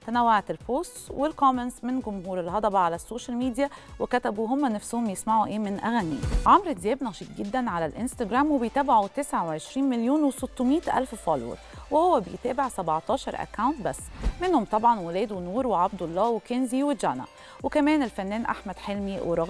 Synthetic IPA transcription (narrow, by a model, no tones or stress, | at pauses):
t̪ænæwːaʕat̪ɪlpoːst̪wɪlkɑmensmɪnɡʊmɦuːɾɪlɦɑd̪ˤɑbɑʕalæsːoːʃælmiːd̪jæwɪkæt̪æbuɦomːænæfsʊhomjesmaʕuʔeːmɪnʔæ̰ɣæniːʕamɾˤɪd̪jæːbnɑʃiːt̪̚ɡɪd̪ːænʕalælʔɪnst̪aɡɾæːmwebejt̪æːbaʕut̪esʕaweʕeʃɾiːnmɪljuːnwesot̪ːʊmiːt̪ʔæ̰lffɑːlwo̰ɾwɪhowːæbejt̪æːbeʕsæbɑʕt̪ˤɑːʃɑ̰ɾˤʔæ̰kːawnt̪̚bæ̰sːmɪnhomt̪ˤɑbʕɑnwelɛːd̪wnuːɾweʕab̚d̪ɑlˤːɑːwɪkenziwɪd͡ʒænæ̰ | wɪkæmɛːnɪlfænːɛːnʔa̰ħmæd̪̥ħelmiweɾˤɑɣ